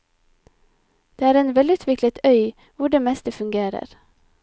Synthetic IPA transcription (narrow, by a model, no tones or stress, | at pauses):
d̪̥eːæːɾeːnʋɛlʉːt̪ʰʋɪklət̪ʰœʏ | ʋʊɖeːmɛst̪əfʉŋɡeːɾə̰ɾ